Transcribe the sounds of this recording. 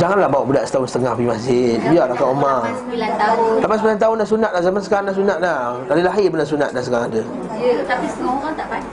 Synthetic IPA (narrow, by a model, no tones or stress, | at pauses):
d͡ʒaŋanlahbawʔbudaʔsə̥t̪aʊnsə̥t̪əŋahpimasɪbiaʔlakaʔomasilant̪aʊllampasəbulant̪aʊndas̬unat̪̚lahzamansə̥kaɾandaʔsunat̪̚lat̪alilaɦɪbəndas̬una̰t̪̚dansəkaɾaŋada | jt̪apisoat̪apa